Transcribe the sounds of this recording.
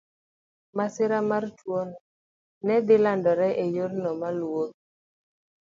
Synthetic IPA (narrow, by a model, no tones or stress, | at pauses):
masɪɾamartwɔn | nɛd̪ɪlandɔɾɛʔejornɔmalwot̚